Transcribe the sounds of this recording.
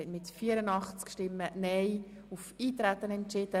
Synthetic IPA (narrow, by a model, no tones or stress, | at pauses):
ɛtmɪtfiːəɾənɑχt͡skʃtɪmːənɛj | ufiːt̪ɾæt̪ːənɛnt͡ʃɪd̥ə